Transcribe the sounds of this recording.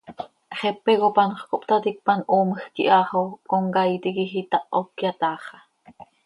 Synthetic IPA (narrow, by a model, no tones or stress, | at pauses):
χɛpɛɣopɑnχkopt̪ɑt̪ik̚pɑnʔoːməxkḭʔɑχokoŋkɑit̪ikixit̪ɑʔokjɑt̪ɑːχɑ̥